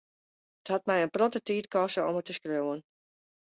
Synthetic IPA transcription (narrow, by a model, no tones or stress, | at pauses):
əthat̚mɛjənprɔtətiːtkɔsəɔmətəskrowən